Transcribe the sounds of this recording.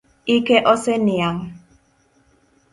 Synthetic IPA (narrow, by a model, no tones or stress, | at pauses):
ikeʔɔsɛniaŋ